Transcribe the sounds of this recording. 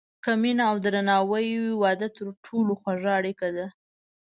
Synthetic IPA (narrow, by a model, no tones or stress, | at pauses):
kaminaawd̪ɾanɑwəjwɪwɑd̪at̪əɾʈʰoloxwaʐaaɽikad̪a